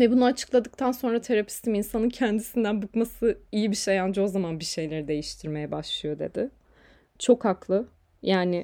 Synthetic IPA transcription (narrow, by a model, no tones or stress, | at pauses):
vɛbunuat͡ʃʰɯ̥klˠad̪ɯk̚t̪ʰanso̞nɾat̪ʰeɾapʰi̥st̪ʰiminsanɯncʰænd̪isind̪ænbukmasɯijibiʃejand͡ʒɯo̞zamanbiʃe̞jlʲe̞ɾid̪e̞jiʃt̪ʰiɾme̞jɛbaʃlˠɯjo̞d̪e̞d̪ɪ | t͡ʃʰo̞khaklˠɯ | jaːnɪ